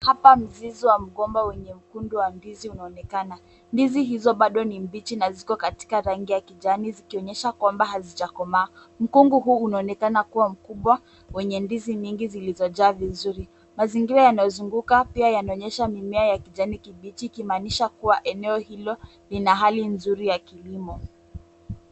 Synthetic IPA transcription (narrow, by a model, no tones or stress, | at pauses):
hapam̩ziziwam̩ɠɔmbawɛɲɛm̩kunduwambiziunaɔnɛkana | ndiziɦizɔɓaɗɔnimbit͡ʃinazikɔkati̥kaɾaŋɡijakiʄanizikiɔɲɛʃakwambahazit͡ʃakɔmaː | m̩kuŋɡuɦuːnaɔnɛkanakuwam̩kuɓwa | wɛɲɛndiziɲiŋɡizilizɔʄaːvizuɾi | maziŋɡiɾajanajɔzuŋɡukapiajanaɔɲɛʃamimɛajakiʄanikiɓit͡ʃiːkimaːniʃakuwaʔɛnɛɔhilɔ | linaɦalinzuɾijakilimɔ